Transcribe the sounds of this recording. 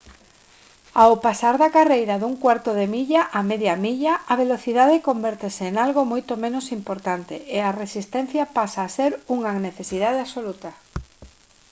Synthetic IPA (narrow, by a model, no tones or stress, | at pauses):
awpasaɾðakarejɾaðuŋkwaɾt̪oðemiʎaʔameðjamiʎaaβ̞eloθiðaðekombɛɾt̪eseːŋalɣomojt̪omẽnosimpoɾt̪ant̪eʔearesist̪ɛn̟θjapasaːseɾuŋaneθesiðað̞easolut̪a